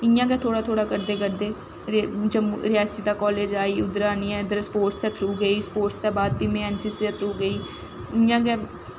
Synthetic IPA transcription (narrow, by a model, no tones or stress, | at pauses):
ɪjãːɡɛːt̪ʰoːɽaːt̪ʰoːɽaːkəɾd̪eːkəɾd̪eː | ɾd͡ʒəmɾɪjaːst̪iːd̪aːkɔːleːd͡ʒaːiːʊd̪ɾaːniːɛ̃ːd̪əɾspoːɾʈst̪ət̪ʰɾuːɡəiːspoːɾʈsd̪aːbaːd̪̚biːmẽːɛːnsiːseət̪ʰɾuːɡəiː | ɪjãːɡɛː